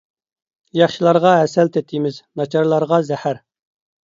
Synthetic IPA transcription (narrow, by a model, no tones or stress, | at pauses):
jɑχʃilˠɑɾʁɑɦɛsɛlt̪ʰɛt̪ʰːimɪznɑt͡ʃʰɑɾlˠɑɾʁɑzɛhæɾ